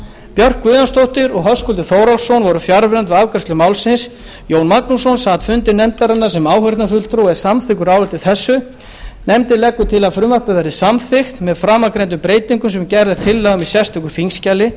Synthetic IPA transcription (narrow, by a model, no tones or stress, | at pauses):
pjœr̥kːvʏːðanst̪owht̪ɪɾɔɣɦœskɔlt̪ɪθoːwɾalsownvɔɾʏfjaɾvɾant̪vɪaːvkœrst̪lʏmaːwlsɪns | joːwnmaknusownsaːt̪fʏnt̪ɪɾnɛmt̪aɾanːḁsɛmaːwhœɾt̪nafʏlt̪ɾuwɛsamθɪkʏɾaːwvɛlt̪ɪθɛsːʏ | nɛmt̪ɪlɛkːʏt̪ʰɪlaðfɾʏmapʏðaɾɪsamθɪxt̪mɛðfɾaːmakɾejnt̪̬ʏmpɾeːjt̪iŋkʏmsɛmcɛɾðɪɾ̥t̪ʰɪlːaɣmisjɛst̪ʏkʏθiŋscalɪ